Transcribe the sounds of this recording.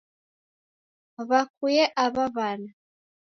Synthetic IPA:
βakujɛʔaβaβana

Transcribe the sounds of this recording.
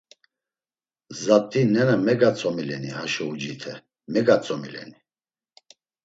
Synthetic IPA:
zat̪ʼːinɛnamɛɡat͡sʼɔmilɛnihaʃɔud͡ʒit̪ʰɛ | mɛɡat͡sʼɔmilɛ̰ni

